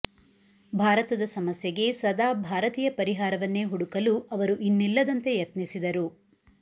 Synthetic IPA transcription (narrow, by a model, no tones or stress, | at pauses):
bʱaːɾɐt̪ɐd̪ɐsɐmɐsjɐɡe̞sɐd̪aːbʱaːɾɐt̪iːjɐpɐɾiɦaːɾɐʋɐnːeɦuɽukɐluʔɐʋɐɾuʔinːilːɐd̪ɐnt̪e̞jɐt̪nisid̪ɐɾu